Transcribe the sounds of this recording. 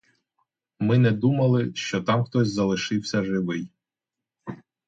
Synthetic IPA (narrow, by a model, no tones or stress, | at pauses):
mɪnɛd̪umɐlˠɪʃt͡ʃɔt̪ɑmxt̪ɔsʲzɐlˠɪʃɪwsʲɐʒɪʋɪj